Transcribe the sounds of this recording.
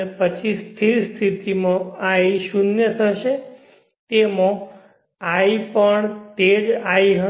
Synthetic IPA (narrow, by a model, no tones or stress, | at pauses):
pət͡ʃʰist̪ʰiɾst̪ʰit̪imõaiʃunjət̪ʰəʃe | t̪emõ | aipəɳt̪ed͡ʒaiɦə